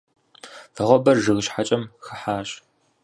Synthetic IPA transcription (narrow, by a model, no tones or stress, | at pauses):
fɨʁʷɔbɐrʒɨɣɨʃħat͡ʃʼɐmxɐħaːɕʼ